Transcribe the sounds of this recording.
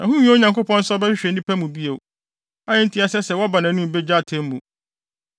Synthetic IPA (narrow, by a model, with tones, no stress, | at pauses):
nã˨ɦũ˦ɲã˨ŋko˦pʰɔ̃˦n̩˦sɔ˦bɛ˦ɕᶣɪ˦ɕᶣɛ˨n˦ĩ˦pʰæ˦mũ˨bi˦e˨ | a˦ɪ̃˦n̩˦tʰi˦a˨sɛ˦sɛ˨wɔ˦ba˨nã˨˦nũ˦m˨be˦d͡ʑa˦˨tʰẽ˦m˦mũ˨